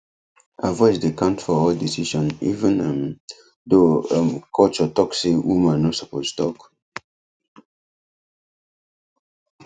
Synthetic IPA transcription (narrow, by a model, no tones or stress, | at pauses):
avɔɪd͡ʒdekãntfɔɔldisiʃɔ̃nḭvə̃nãm | domkʰɔlt͡ʃɔtɔksewumãnosapostɔk